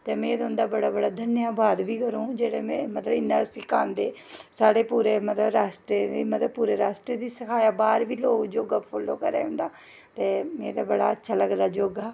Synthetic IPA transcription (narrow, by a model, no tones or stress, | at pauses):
t̪eːmɛ̃ːd̪ʊ̃nd̪aːbəɽaːbəɽaːd̪ʱənjaːbaːd̪biːkəɾõːd͡ʒeːɽeːmɛ̃ːmət̪ləbɪnːãːəsĩːkaːnd̪eːsaːɽeːpuːɾeːmət̪ləbɾaːsʈɾeːd̪iːmət̪ləbpuːɾeːɾaːsʈɾeːd̪iːsəkʰaːjaːbaːɾʋiːloːkd͡ʒoːɡaːpʰoːloːkəɾḛːɦʊ̃nd̪aː | t̪eːmẽːd̪aːbəɽa̰ːətːʃʰaːləɡd̪aːd͡ʒoːɡaː